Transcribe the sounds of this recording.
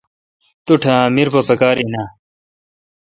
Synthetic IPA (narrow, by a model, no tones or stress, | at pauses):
t̪uʈʰãːmiɾpɐpɐkaːɾina